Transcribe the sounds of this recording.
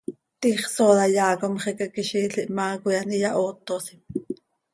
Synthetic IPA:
t̪iːχsoːðɑjɑːkomχɛkɑkiʃiːɬiʔmɑːkujɑnijɑʔoːt̪ːosim

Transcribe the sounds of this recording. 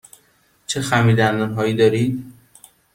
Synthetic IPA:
t͡ʃʰexæmiːd̪ænd̪ɒnɦɒːjiːd̪ɒːɾiːd̪

